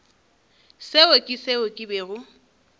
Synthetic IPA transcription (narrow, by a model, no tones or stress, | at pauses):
seokʼɪseʊkʼɪbeːɣʊ